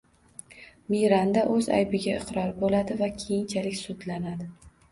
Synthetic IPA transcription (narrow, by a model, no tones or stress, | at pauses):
miɾand̪aʔɵza̰jbɪɡʲaɪqɾɒɾbolad̪ɪvakʲʰe̞jɪnt͡ʃʰalɪkʲsʊd̪lanad̪ɪ